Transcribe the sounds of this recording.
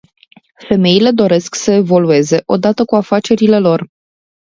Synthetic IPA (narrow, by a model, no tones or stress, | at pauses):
fe̞me̞ile̞d̪o̞ɾe̞sksəe̞vo̞lue̞ze̞ʔo̞d̪at̪əkuafat͡ʃe̞ɾile̞lo̞r